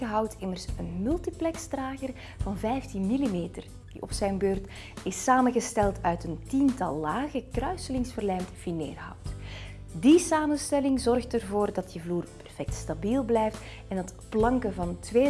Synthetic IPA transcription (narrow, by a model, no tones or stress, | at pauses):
əɦɑwtɪmərsənmɵlˠtiplɛksdraːɣər | vɑnvɛjftinmilimeːtər | d̥ḭɔ̰psɛjnbøːrt | ɪsaːmənɣəstɛlˠtœɥtəntintɑlˠːaːɣəkrœɥsəlɪŋsvərlɛjmtfinḛːrɦɑ̰wt | disaːmənstɛlɪŋzɔrxtərvoːrdɑt̚dəvluːrpɛrfɛk̚tstabilˠblɛjft | ɛndɑtplɑŋkəvɑntʋeː